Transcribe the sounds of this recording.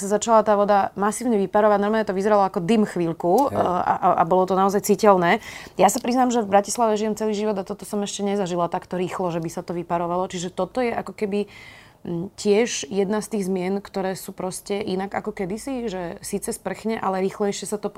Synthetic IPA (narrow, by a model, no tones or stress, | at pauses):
sazat͡ʃalat̪aːʋɔd̪amasiːʊɲɛʋipaɾɔʋaɟnɔɾmalɲɛt̪ɔʋizɛɾalɔakɔd̪imxʋiʎkua̰ʔa̰ʔa̰bɔlɔt̪ɔnaɔzajt͡siːcɛlnɛːjasapɾiznaːmʒɛvbɾaci̥slaʋɛʒijɛmt͡sɛliːʒiʋɔd̪at̪ɔt̪ɔsɔmɛʃcɛɲɛzaʒilat̪akt̪ɔɾiːxlɔʒɛbisat̪ɔʋipaɾɔʋalɔt͡ʃiʒɛt̪ɔt̪ɔjɛʔakɔkɛbi | cɪɛʒjɛd̪nast̪iːɣzmɪɛnkt̪ɔɾɛːsuːpɾɔscɛʔinaɡa̰kɔkɛd̪isiʒɛsiːt͡sɛspr̩xɲɛʔalɛɾiːxlɛjʃɪɛsat̪ɔ